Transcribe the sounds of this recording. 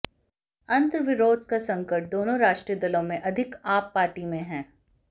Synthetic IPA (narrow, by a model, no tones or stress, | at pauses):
ɐ̃nt̪ɾəʋɪɾoːd̪̚ʱkasɐ̃ŋkəʈ̚d̪oːnõɾaːʃʈɾijəd̪ɐlõmẽʔɐd̪ʱɪkaːpːaːɾʈimẽɦɛ̃ː